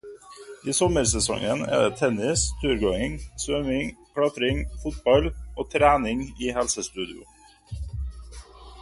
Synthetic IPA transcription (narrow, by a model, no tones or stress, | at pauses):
iːsɔməɾsɛsɔ̰ŋənḛːd̪eːt̪ʰɛnɪst̪ʰʉːɾɡoːɪŋsʋœmɪŋkʰɽɑt̪ɾɪŋfʊt̪̚bɑlʔoːt̪ʰɾæːnɪŋiːhɛlsəst̪ʉːd̪ɪʊ̰